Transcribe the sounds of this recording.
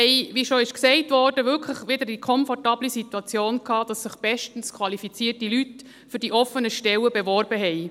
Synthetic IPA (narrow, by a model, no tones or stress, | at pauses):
ɛɪʋiʃɔɪʃksɛɪtʋɔrdəʋʏlkʰləχʋɪdəɾdikʰɔnfɔrtɑːb̥lisituɑt͡sjoːnkʰɑːd̥ɑsːɪχb̥ɛʃtən̩skʰwɑlifit͡siːərtilyt | fʏɾdiʔɔfənəʃtɛwəbɛʋɔrb̥əɦɛɪ